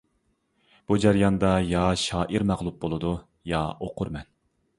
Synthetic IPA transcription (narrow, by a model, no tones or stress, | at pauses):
b̥ud͡ʒæɾjɑnd̪ɑjɑʃɑːʔiɾmæʁlˠup̚bolˠɨd̪u | jɑoqʰʊɾmɛn